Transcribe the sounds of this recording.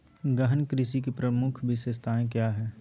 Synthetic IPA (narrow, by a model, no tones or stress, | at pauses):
ɡəɦənkɾɪʃ̬ik̬epɾɐmʊkʰbʱɪʃest̪ʰaːẽkjaːɦɛː